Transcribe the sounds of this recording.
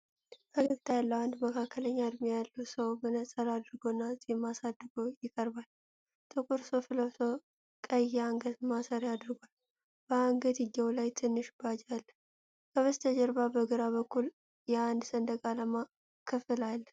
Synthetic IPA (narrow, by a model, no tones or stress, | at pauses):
ʔəɡəɡt̪ʰajalːəwand̪məkʰakʰːələɲːad̪mijalːusəwbənəsʼəɾad̪ɨɾɡo̞nːazʼimasad̪ɡo̞jɪkʼəɾbal | t̪ʼɨkʼʊɾsofɨləwsəw | kʼəjɛaŋɡət̪masəɾad̪ɨɾɡʷal | b̥əaŋɡət̪ɪɡːəwlajt̪ʰɨnːɨʃbad͡ʒalː | kəβəst̪ʰəd͡ʒəɾbabəɡɨɾaβəkːul | jɛand̪sənd̪əɡʼaləma | kʰəfɨlalː